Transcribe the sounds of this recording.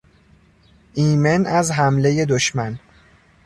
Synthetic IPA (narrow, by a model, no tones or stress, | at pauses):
ʔiːmenæzɦæmleje̞d̪oʃmæn